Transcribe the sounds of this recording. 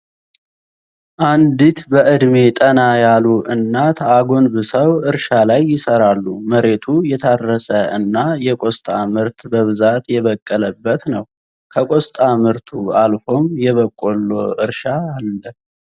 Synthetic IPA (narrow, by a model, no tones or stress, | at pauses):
ʔand̪it̪bəʔɨd̪me̞t̪ʼənajaluʔɨnːat̪ʰaɡo̞nbɨsəwɨɾʃalajːɪsəɾalːuməɾe̞t̪ʰujɛt̪ʰaɾːəsəɨnːajɛkʷʼost̪ʼamɨɾt̪bəβɨzat̪jɛβəkʼːələbːət̪nəw | kʰəkʼost̪ʼamɨɾt̪ʰualfo̞mjɛβəkʼːolːo̞ɨɾʃaalːə